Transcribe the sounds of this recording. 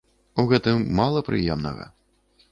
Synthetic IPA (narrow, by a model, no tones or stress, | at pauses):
uɣɛt̪ɨmːalˠɐpɾɨ̰jɛmnɐ̰ɣɐ̰